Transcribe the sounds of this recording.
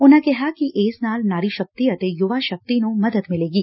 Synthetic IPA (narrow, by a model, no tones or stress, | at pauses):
ʊnãkɛɦakiʔeːsnaːlnaːɾiʃɐk̚t̪ijət̪ejʊʋaʃɐk̚t̪inomɐd̪əd̪mɪleːɡiː